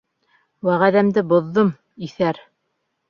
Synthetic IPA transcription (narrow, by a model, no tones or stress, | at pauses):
wæʁæðæmd̪ɘbŏðːom | iθæɾ